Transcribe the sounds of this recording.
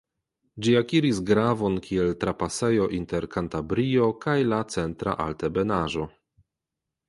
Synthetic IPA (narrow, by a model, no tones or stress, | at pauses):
d͡ʒiakiɾisɡɾavonkʰiɛlt̪ɾapasejoʔinteɾkant̪abɾiokajlat͡sɛnt̪ɾa̰ʔa̰lt̪ebenaʒo